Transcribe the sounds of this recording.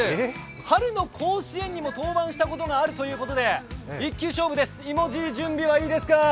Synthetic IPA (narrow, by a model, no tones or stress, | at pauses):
haɾɯ̟no̞kʰo̞ːɕiẽ̞ɲ̟ːimo̞t̪o̞ːbãɰ̃ɕi̥t̪ako̞t̪o̞ŋaːɾɯ̟t̪o̞jɯ̟ːko̞t̪o̞d̪e̞ikʲːɨːɕo̞ːbɯ̟d̪e̞sɨ̥imo̞ʑiʑɨ̃mbʲiβaiːd̪e̞sɨ̥ka